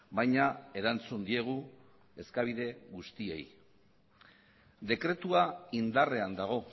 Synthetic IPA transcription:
bajɲae̞ɾant͡sund̪ie̞ɣ̞u | e̞skaβ̞iðe̞ɣust̪ie̞̰j | d̪e̞kɾe̞t̪uaind̪are̞and̪aɣ̞o̞

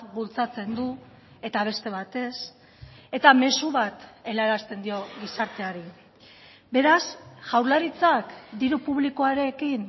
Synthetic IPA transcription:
bult͡sat͡se̞nd̪u | e̞t̪aβ̞e̞st̪e̞β̞at̪e̞s | e̞t̪ame̞suβat̪e̞laɾast̪e̞nd̪io̞ɣisaɾt̪e̞aɾi | be̞ɾasʝawɾlaɾit͡sakd̪iɾupuβlikoaɾe̞kin

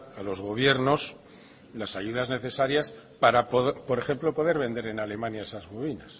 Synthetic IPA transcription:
alo̞zɣo̞β̞je̞ɾno̞s | lasaʝuðazne̞θe̞saɾjas | paɾapopo̞ɾe̞xe̞mplo̞po̞ðe̞ɾβe̞nd̪e̞ɾe̞nale̞mãnjaesazɣoβinas

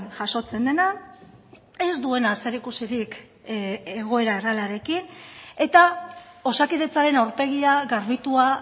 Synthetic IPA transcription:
nʝaso̞t͡se̞nd̪e̞na | e̞zd̪ue̞naseɾikusiɾik | e̞ɣ̞o̞e̞ɾaeralaɾe̞kine̞t̪ao̞sakiðet͡saɾe̞nawɾpe̞ɣ̞iaɣaɾβit̪ua

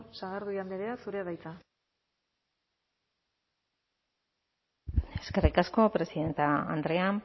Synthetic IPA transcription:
saɣaɾðuiand̪eɾeasuɾeβajt͡s̪a | e̞ske̞rikasko̞pɾe̞siðe̞nt̪aa̰nd̪ɾe̞am

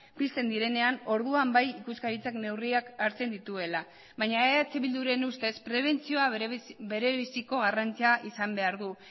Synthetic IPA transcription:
pist̪e̞nd̪iɾe̞ne̞ano̞ɾðuambajikuskaɾit͡sakne̞wriakaɾt͡se̞nd̪it̪ue̞la | βajɲaeat͡siβild̪uɾe̞nust̪e̞spɾe̞β̞e̞nt͡sio̞aβe̞ɾe̞βisiko̞ɣ̞arant͡siaʔisambe̞aɾðu

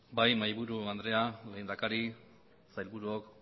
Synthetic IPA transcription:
bajmajβuɾuand̪ɾe̞ale̞ːnd̪akaɾi | sajlβuɾuok

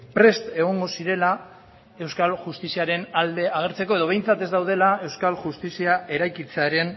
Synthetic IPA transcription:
pɾe̞st̪eɣ̞o̞ŋɡo̞siɾe̞la | e̞wskalʝust̪isiaɾe̞nald̪e̞aɣ̞e̞ɾt͡se̞ko̞e̞ðo̞βe̞jnt͡sat̪e̞zd̪awð̞e̞lae̞wskalʝust̪isiae̞ɾajkit͡seaɾe̞n

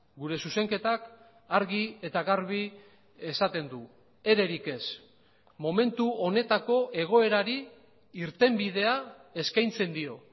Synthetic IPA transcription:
ɡuɾe̞suse̞ŋke̞t̪ak | aɾɣie̞t̪aɣaɾβi | e̞sat̪e̞nd̪u | e̞ɾe̞ɾike̞s | mo̞me̞nt̪uo̞ne̞t̪ako̞ʔe̞ɣ̞o̞e̞ɾaɾi | iɾt̪e̞mbið̞e̞ae̞skajnt͡se̞nd̪io̞

